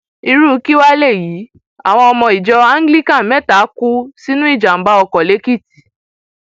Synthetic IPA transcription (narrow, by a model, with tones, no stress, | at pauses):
i˧ɾu˦ki˦wa˦le˦˨jiː˨˦ | a̰˨w̃ɔ̃˧ɔ˧mɔ̃˧i˨d͡ʒɔ˧a˦ŋ˦ɡli˦˨kã˦˨mɛ˦˨ta˨˦ku˦si˦nũ˦i˦˨d͡ʒa˨m̩˨˦ba˦ɔ˧kɔ˨le˨˦ki˦˨ti̥˨